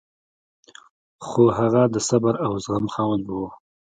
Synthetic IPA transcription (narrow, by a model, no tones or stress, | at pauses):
xoɦaɣad̪əsabaɾawzɣamxɑwəlbu